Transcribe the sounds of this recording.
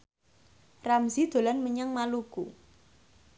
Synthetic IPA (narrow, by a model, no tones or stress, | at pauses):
ramzid̪̥o̤lanməɲaŋmaluɡṵ